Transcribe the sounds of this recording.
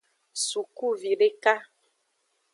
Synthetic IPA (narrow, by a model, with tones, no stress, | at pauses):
su˨ku˦vi˨ɖe˦ka˦